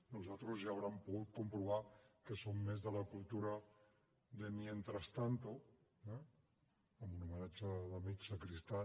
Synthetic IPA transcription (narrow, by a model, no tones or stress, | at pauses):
nuzat̪ɾuzʒaːwɾampuɣut̪̚kumpɾuβ̞akəsomːezðəlakulˠt̪uɾa | ðemjent̪ɾast̪ant̪o | ɛː | munumənat͡ʃəðamisakɾist̪a